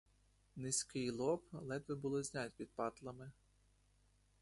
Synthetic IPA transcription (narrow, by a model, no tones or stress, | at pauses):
nɪsʲkɪjlˠɔplˠɛt̪ʋɪbʊlˠɔzʲnʲɑtʲpʲid̪̚pɑt̪lˠɐmɪ